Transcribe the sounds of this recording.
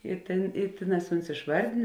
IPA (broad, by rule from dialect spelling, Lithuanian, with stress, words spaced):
ɪ ˈtʲeːn ɪ ˈtʲeːˌnɑːs ˈʊns ɪʃˈʋɐrʲdʲeːn